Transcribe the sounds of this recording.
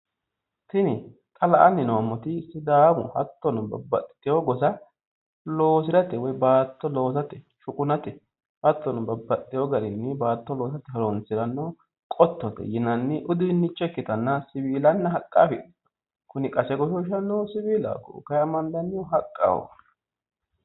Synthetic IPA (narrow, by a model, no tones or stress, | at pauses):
t̪ɪnɪ | t̪ʼɐlɐʔɐnːɪnomɔt̪ɪsɪd̪aːmʊ̰hɐt̪ːɔnʊbɐ̰bːɐ̰t̪t̪ɪjoɡɔsɐ | lo̞ːsɪɾɐt̪ɛwɔjbaːt̪ːɔlo̞ːs̬ɐt̪ɛ | ʃʊkʼʊnɐt̪ɛ | hɐt̪ːɔnʊbɐbːɐt̪ʼːɪjɔɡɐɾɪnːɪbaːt̪ːɔlo̞ːs̬ɐt̪ɛɦɐɾɔnsɪɾɐnːɔ | kʼɔt̪ːɔt̪ɛ̰jɪnɐnːɪʔʊd̪ɪnːɪt͡ʃːɛkːɪt̪ɐnːɐsɪbiːlɐnːɐɦɐkʼːaːfɪd̪ | kʊnɪkʼɐsɛɡɔʃɔɪʃɐnːɔwsɪbiːla̰ːkːɔ̰kɐjɐmɐnd̪ɐnːɪɦɐkʼːa̰ːwɔ̰